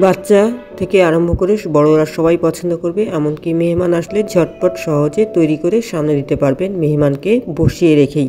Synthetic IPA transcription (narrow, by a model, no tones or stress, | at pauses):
bat̪ːɕat̪ʰekeaɾombʱokoɾeʃbɔɽoɾaʃɔbajpɔt͡ɕʰond̪okoɾbeʔɛmonkimeɦmanaʃled͡ʑʱɔʈ̚paʈʃɔɦod͡ʑet̪ojɾikoɾeʃamned̪it̪epaɾbenmeɦmankeboʃijeɾekʰej